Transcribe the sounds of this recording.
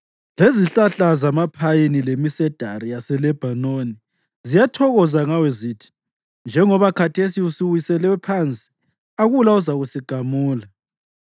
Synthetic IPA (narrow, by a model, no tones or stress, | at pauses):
leziɬaɬazamapʰajinilemisɛd̥ʱaɾijasɛlɛb̥ʱanoni | zijatʰɔɣɔzaŋawɛzitʰi̥ | nd͡ʒʱɛŋɔβakʰatʰesiusiwisɛlɛwɛpʰant͡sʼi̥ | aɣulauzaɣusiɡ̥ʱamuːla